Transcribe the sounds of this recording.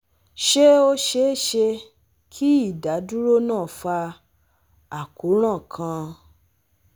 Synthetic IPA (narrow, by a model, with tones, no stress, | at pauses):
ʃe˦o˧ʃe˨˦˨ʃe˧ | kʰi˦i˦˨da˨˦du˦ɾo˦nãː˦˨fa˧ | a˨ku˨˦ɾ̃ã˦˨kʰã˧